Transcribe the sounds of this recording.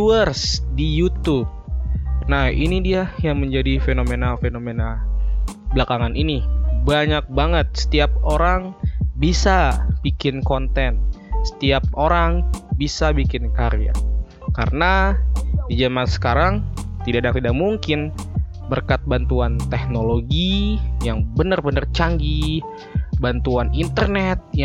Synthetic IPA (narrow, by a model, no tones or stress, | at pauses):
uərsdijut̪ub̚nahinidiajaŋməɲd͡ʒadifenomenafenomena | bəlakaŋanʔinibaɲak̚baŋət̪̚sə̥t̪iap̚oɾaŋbisab̥ikɪnkont̪ɛnsə̥t̪iap̚ʔoɾaŋbisabikɪnkaɾea̰ | ka̰ɾəna | did͡ʒamansə̥kaɾaŋt̪idaʔdaŋt̪idakmuŋkɪn | bərkat̪̚bant̪uant̪ɛk̚noloɡijaŋbənərbənərt͡ʃaŋɡi | bant̪uanint̪ərnɛt̪̚j